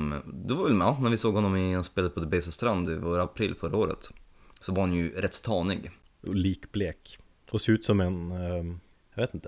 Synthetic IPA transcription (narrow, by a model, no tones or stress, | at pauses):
d̪ɛvaɾvɛlɑnæɾvɪsoːɡhɔnːɔmɪɑnspeːlad̪əpʰɔd̪ɛbɛɪsɔst̪ɾand̪ɪvoːɾaapʰɾilfœɾaoːɾə̰t̪sɔvaɾhanjɵɾɛt̪ːt̪ʰɑːnɪɡ | liːkbleːk | ɔseːʉːt̪sɔmɛn | jɑveːt̪ɪnt̪ə